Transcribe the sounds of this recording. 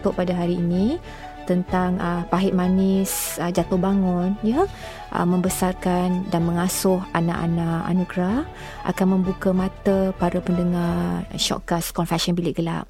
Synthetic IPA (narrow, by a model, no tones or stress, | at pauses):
t̪ʊʔpadaɦaɾiːnĩ | t̪ənt̪aŋəpaɦɪʔ̚manɪsəd͡ʒat̪ʊhbaŋʊnjə | ʔə̰mə̃mbəsarkandanmə̃ŋasʊɦana̰ʔa̰naʔa̰nuɡɾa | ʔa̰kanmə̃mbukamãt̪əpaɾapəndəŋarʃɔ̰ʔkaskɔnfasɔnbilɪʔɡəla̰p̚